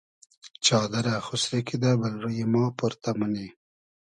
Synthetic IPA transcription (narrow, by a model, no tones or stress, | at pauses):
t͡ʃɑːd̪aɾaxʊsɾekid̪abalɾujemɑːpʊɾt̪aməne